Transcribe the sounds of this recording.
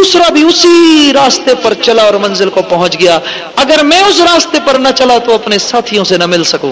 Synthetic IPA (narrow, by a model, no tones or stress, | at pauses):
uːsɾabʱiʊsiɾaːst̪epɐɾt͡ʃɐlaɔːɾmɐ̃nzɪlkopɐɦʊ̃t͡ʃɡɐjaː | ɐɡəɾmɛ̃ːʊsɾaːst̪epɐɾnɐt͡ʃɐlat̪oɐpnesaːt̪ʰijõsenɐmɪlsɐkõ̰ː